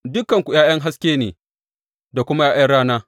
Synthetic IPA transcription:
dʊ˦kːɐ˨ŋkʷu˨jaː˦jɐ˦ŋɦa˦skʲeː˦neː˨ | da˨kʷʊ˦ma˦jaː˦jɐ˦ɽaː˦naː˦

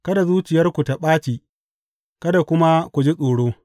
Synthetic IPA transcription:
kɐ˦da˨zuː˦t͡ʃɪ˨jɐ˦rkʷu˨ta˨ɓaː˦t͡ʃiː˨ | kɐ˦da˨kʷʊ˦ma˦kʷu˨d͡ʒi˦sʼoː˨ɽoː˦

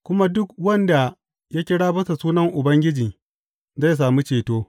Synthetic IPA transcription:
kʷʊ˦ma˦dʊ˦kwɐ˦nda˨ | ja˦kʲɪ˦ɽaː˦bɐ˦sa˨suː˦nɐ˦ŋʔʊ˨bɐ˦ŋɡʲɪ˦d͡ʒiː˨ | za˦˨s̬aː˨mi˦t͡ʃeː˨toː˦

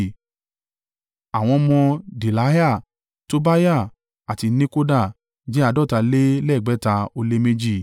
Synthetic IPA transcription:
a˨w̃ɔ̃˧mɔ̃˧di˨la˨˦ja˦˨ | to˦ba˦ja˦˨ | a˨ti˧nĩ˦ko˦da˦˨ | d͡ʒi˦a˧dɔ˦˨ta˧le˦lɛ˦˨ɡ͡bɛ˨˦ta˧o˧le˦me˦d͡ʒi˦˨

